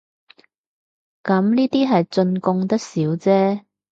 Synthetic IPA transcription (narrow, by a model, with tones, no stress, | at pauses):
kɐ˨˥mniː˥t̪iː˥ɦɐ˨jt͡sɵ˧nkʊ˧ŋt̪ɐ˥k̚siː˨˥wt͡sɛː˥